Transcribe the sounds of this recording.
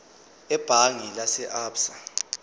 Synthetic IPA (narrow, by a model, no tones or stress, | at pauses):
ɛb̥ʱaŋilasɛʔaːpsa